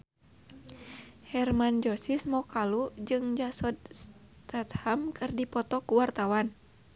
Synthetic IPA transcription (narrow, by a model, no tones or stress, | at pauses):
hɛrmand͡ʒɔsismɔkalud͡ʒɨŋd͡ʒasɔd̪̚s | t̪at̪hamkʰɨrdipɔt̪ɔkuwart̪awan